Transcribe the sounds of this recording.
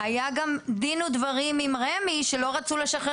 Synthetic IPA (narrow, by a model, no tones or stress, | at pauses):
ajaɡamd̪inudvaʁimimʁemiʃelo̞ʁat͡sule̞ʃaχe